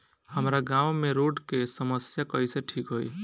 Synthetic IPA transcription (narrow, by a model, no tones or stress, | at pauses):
həmɾaɡãʊmeɾoɖkesəməsjakəiseʈʰikɦoj